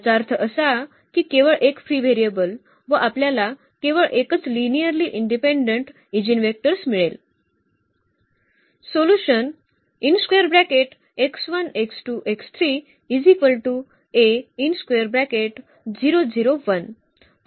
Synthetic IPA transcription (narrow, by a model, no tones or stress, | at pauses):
d͡zaɾt̪ʰʔəsa | kiːkeʋəɭʔekfɾiːʋeɾijəbəl | ʋəʔapljala | keʋəɭʔekət͡slinijəɾliʔiɳɖipẽɳɖəɳʈ | id͡ʑinʋek̚ʈəɾsmiɭel | soluɕən | inskʋeəɾbɾækeʈ | eksʋəneksʈuʔekst̪ʰɾiː | id͡zipəlʈu | einskʋeəɾbɾækeʈ | d͡ziɾod͡ziɾoʋən